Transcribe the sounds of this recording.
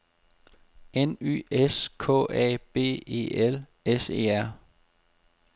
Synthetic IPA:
eny̰ːeskʰɔ̰̽ːɛ̰ːb̥e̝̰ːe̝̰ːʔel | ese̝̰ːæɐ̰

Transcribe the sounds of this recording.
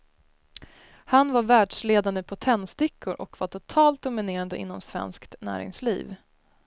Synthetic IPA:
hanvaɾvæːɖʂleːd̪and̪əpʰɔt̪ʰɛnːst̪ɪkʰːʊɾʔɔkvaʈʰʊt̪ʰɑːlt̪̚d̪ʊmɪneːɾand̪əʔɪ̰nːɔmsvɛ̰nskt̪næ̰ːɾɪ̰ŋslḭːv

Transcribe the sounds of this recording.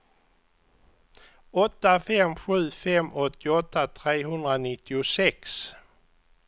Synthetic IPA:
ɔt̪ːafɛmɧʉ̟ːfɛmɔt̪ʰːɪɔt̪ːat̪ʰɾeːɦɵnd̪ɾanɪt̪ʰːɪʊsɛks

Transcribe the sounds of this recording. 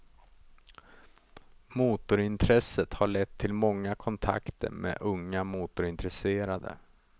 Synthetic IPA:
muːt̪ʊɾɪnt̪ʰɾɛsət̪haɭɛt̪ʰːɪlmɔŋːakʰɔnt̪ʰa̰kt̪ʰə̰ɾmḛːʔɵŋːamuːt̪ʊɾɪnt̪ɾɛseːɾad̪ə̰

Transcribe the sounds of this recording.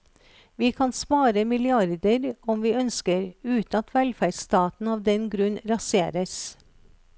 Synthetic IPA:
ʋiːkʰɑnspɑːɾəmɪlɪɑɾd̪əɾɔmʋiːœnskəɾʉːt̪nɑt̪ʰʋælfæst̪ɑːt̪n̩ɑːʋd̪ɛnɡɾʉnɾɑseːɾəs

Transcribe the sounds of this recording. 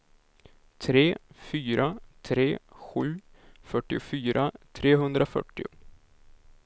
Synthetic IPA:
t̪ʰɾeːfyːɾʔat̪ʰɾeːɧʉ̟ːfœʈːɪʊfyːɾʔat̪ʰɾeːɦɵnd̪ɾafœ̰ʈːɪʊ

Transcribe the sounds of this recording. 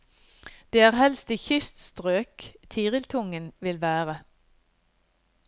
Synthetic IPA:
d̪̥eːæːʁhɛlst̪ɪçʏst̪st̪ʁøːkt̪ʰiːʁɪlt̪ʰʊŋənʋɪlʋæːʁə

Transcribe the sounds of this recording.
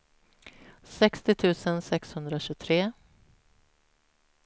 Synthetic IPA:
sɛkst̪ɪt̪ʰʉ̟ːsənsɛkshɵnd̪ɾaɕɵt̪ʰɾeː

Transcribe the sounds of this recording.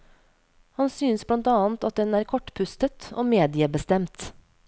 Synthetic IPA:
hɑnsyːnsblɑnt̪ɑːnt̪ɑt̪̚d̪ɛnæːɾkʰɔʈːpʰʉst̪ət̪o̰ːmeːd̪ɪəbəst̪ɛmt̪

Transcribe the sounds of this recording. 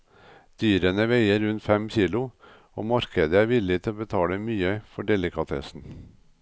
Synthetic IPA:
d̪̥yːɾənəʋeɪəɾɾʉnt̪fɛmçiːlʊ | o̰ːmɑɾkəd̪əæːɾʋɪlɪt̪ʰɪloːbət̪ʰɑːləmyːəfɔɖɛlɪkʰɑt̪ʰɛ̰sn̩

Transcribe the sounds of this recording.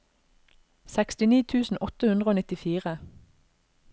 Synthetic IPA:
sɛkst̪ɪniːt̪ʰʉːsn̩ʔɔt̪əhʉnd̪ʁoːnɪt̪ɪfiːʁə

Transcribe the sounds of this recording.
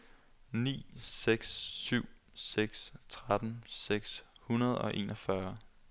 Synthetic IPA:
nḭːseɡ̥sːyʊ̰ | seɡ̥st͡sʰʁad̥n̩seɡ̥shunɐð̞̩ˠɒ̽ʔe̝ːnɒfɶɐ

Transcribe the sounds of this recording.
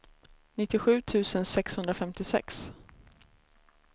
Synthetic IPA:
nɪt̪ːɪɧʉ̟ːt̪ʰʉ̟ːsənsɛkshɵnd̪ɾafɛmt̪ɪsɛ̰ks

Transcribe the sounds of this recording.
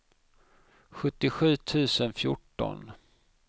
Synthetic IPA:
ɧɵt̪ːɪɧʉ̟ːt̪ʰʉ̟ːsənfjʊ̰ʈːɔ̰n

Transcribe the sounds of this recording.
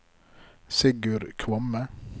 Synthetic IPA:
sɪɡʉɾkʰʋɔmə

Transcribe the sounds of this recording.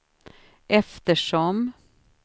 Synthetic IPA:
ʔɛft̪əʂɔm

